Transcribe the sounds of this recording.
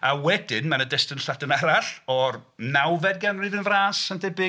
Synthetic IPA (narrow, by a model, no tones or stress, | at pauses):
awɛdɪnmanədɛstənɬadənaɾaɬɔrnawvɛdɡanrivɨnvraːsandɛbɪ